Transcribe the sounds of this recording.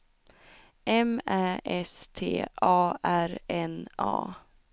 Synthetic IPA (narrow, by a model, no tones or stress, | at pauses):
ʔɛmæːʔɛst̪ʰḛːʔɑːʔæɾɛnɑ̰ː